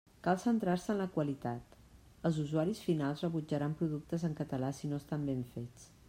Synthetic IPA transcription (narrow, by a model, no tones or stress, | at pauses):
kalˠsənt̪ɾaɾsəːnləkwəlit̪at̪ | əlˠzuzuaɾisfinalˠzrəβud͡ʒəɾampɾuðuk̚t̪əzəŋkət̪əlasinoəst̪ambeɱfet͡s